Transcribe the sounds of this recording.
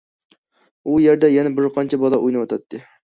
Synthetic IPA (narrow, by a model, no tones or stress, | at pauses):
ujeɾd̪ɛjɛnɛbɪɾqʰɑnt͡ʃʰɛbɑlˠɑʔujnɨwɒt̪ʰɑt̪ʰːɪ